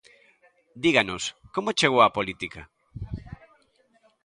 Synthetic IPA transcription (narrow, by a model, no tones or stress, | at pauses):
d̪iɣanoskomot͡ʃeɣ̞owapolit̪ika